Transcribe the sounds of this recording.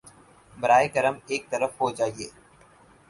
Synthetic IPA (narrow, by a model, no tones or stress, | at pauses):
bɐɾaːeɡɐɾəmeːk̚t̪ɐɾəfɦod͡ʒaːieː